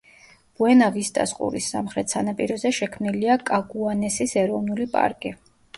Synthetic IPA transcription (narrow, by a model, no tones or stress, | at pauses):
b̥uɛnavist̪ʼa̰sqʼṵɾḭsːa̰mχɾɛt̪ʰsanapʼḭɾɔzɛʃɛkʰmniliakʼaɡuanɛsisɛɾɔvnulipʼa̰ɾkʼi